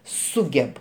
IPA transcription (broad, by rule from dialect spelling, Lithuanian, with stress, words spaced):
ˈsʊɡʲɛp